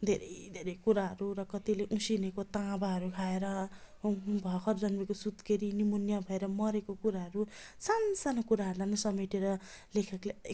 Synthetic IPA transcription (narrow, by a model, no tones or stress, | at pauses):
d̪ʱeɾʌ̰jd̪ʱeɾʌjkuɾaɦʌɾuɾʌkʌt̪ileʔũsinekot̪ãbaɦʌɾukʰaeɾʌ | bʱʌkʰʌrd͡zʌnbekosud̪keɾinimunjabʱʌeɾʌmʌɾekokuɾaɦʌɾusansanakuɾaɦʌɾulanʌsʌmiʈeɾʌlekʰʌkle